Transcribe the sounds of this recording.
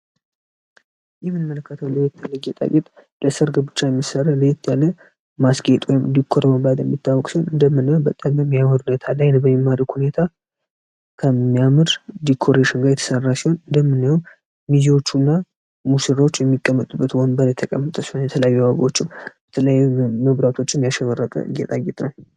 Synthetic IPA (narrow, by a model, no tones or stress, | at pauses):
jɛmːɨnɨmːələkːət̪ʰəwləjɛt̪ːalːəjɛt̪ʼa̰kʼit̪ʼləsəɾɡəbɨt͡ʃːajɛmːisərːaləjɛt̪ːjalːə | masɡet̪ʼwɔjmd̪ikʰːoɾəbəmbad̪jɛmːit̪ʰːawɔkʼsihonɨnd̪əmːɨnːəwobət̪ʼːambəmːijamɨɾhunet̪ʰalajnbəmimːaɾikhune̞t̪ʰa | kʰəijamɨɾd̪ikʰo̞ɾeʃɪnɡajɛt̪ʰə̥sərːasiho̞nɨnd̪əmːɨnːawun | miziwo̞t͡ʃːunːa | musɨɾawot͡ʃːjɛmːikʼːəmːət̪ʼubːət̪wonbəɾjɛt̪ʰəkʼəmːət̪ʼəsihonjɛt̪ʰələjajːuaβaβot͡ʃːɪmb̥ət̪ʰələjːməβɾat̪ʰo̞t͡ʃːɪmijaʃɛβərːət̪ʼə̰jɛt̪ʼaɡɛt̪ʼnəw